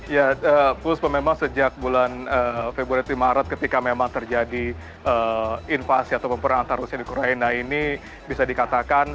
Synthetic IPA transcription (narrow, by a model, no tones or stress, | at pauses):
jaəpʊspəmemaŋsəd͡ʒak̚bulanəfebɾuaɾit̪imaɾət̪̚kət̪ikamemaŋt̪ərd͡ʒadi | ʔəinfasiat̪awpəmpəɾaŋant̪aɾusiadikoɾainaini | bisadikat̪akan